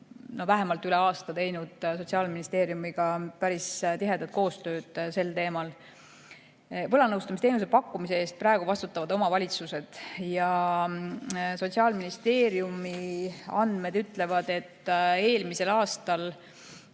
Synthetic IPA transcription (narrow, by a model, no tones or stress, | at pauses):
no̞væɦe̞mɑlt̪ˑyleɑːst̪ɑt̪e̞jnud̪̥so̞t̪ʲsiɑːlminist̪e̞ːɾjumiɡ̥ɑpæɾist̪iɦe̞d̪̥ɑt̪̚ko̞ːst̪ø̞ːd̪̥se̞lt̪e̞ːmɑl | vɤlɑnɤwst̪ɑmist̪ejnus̬e̞pɑkːumise̞eːst̪̚prɑe̞ɡ̥uvɑst̪ut̪ːˑɑvɑd̪̥o̞mɑvɑlʲit̪suse̞d̪̥jɑ | so̞t̪siɑːlminist̪e̞ːɾjumiɑ̰nd̪̥me̞d̪̥yt̪ˑle̞vɑd̪̥e̞t̪ːe̞ːlmise̞lɑːst̪ɑl